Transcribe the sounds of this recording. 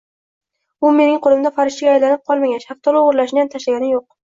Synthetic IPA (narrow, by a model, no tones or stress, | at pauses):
ʊme̞nɪŋqʰolˠɪmd̪afaɾɪʃt͡ʃaɡʲajlanɪp̚qʰɒlˠmaɡʲanʃɑqt̪ʰɒlˠʊʊɾlaʃɪjant̪ʰaʃlaɡʲanɪjoq̚